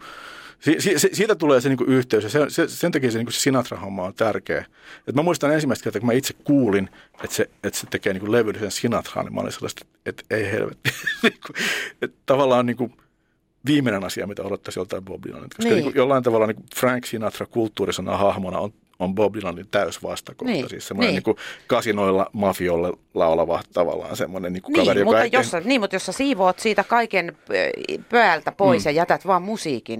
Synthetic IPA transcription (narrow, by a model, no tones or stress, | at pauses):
siːsiːsisiːt̪æt̪uleːseniːŋkuʔyht̪eysjɑsesesent̪ɑkiːseniːŋkuse̥sinɑt̪rɑhomːɑont̪ærkḛː | et̪mæmuist̪ɑnensimːˑæist̪kert̪ɑkumæit̪sekkuːlin | et̪seet̪set̪ekeːniːŋkuleʋylːsensinɑt̪rɑ̰ːnḭmɑ̰lḭnsḛlːɑ̰st̪e̥t̪et̪eihḛlʋḛt̪ːiniːŋkuet̪t̪ɑʋɑlːɑːnniːŋku | ʋiːmːenenɑsiɑ̰mit̪æot̪ot̪ːɑsjolt̪ɑiboblḭlɑ̰nːḛt̪kɑsnikujolːɑint̪ɑʋɑlːɑniːŋkufrɑŋksinɑt̪rɑkult̪ːuːrisɑnɑ̰hɑhmonɑ̰on | omboblilɑnːint̪æysʋɑst̪ɑkohːt̪ːɑsḭːssemːoneniːŋkukɑsinoilːɑmɑfiolːe | lɑolɑʋɑht̪t̪ɑʋɑ̰lːˑɑ̰ːnsemːonenniːŋku̥knɑʋeriomuɑjosːɑniːmut̪josːɑsiːʋoːt̪siːt̪ækɑiken | pøælt̪æpoisjɑjæt̪æt̪ʋɑːmmusiːkin